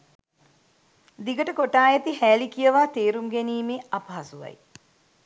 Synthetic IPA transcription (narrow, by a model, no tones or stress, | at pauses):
d̪iɡəʈəkoʈaːjet̪ihæːlikijəʋaːt̪eːɾumɡeniːmeːapɐɦasuʋa̰j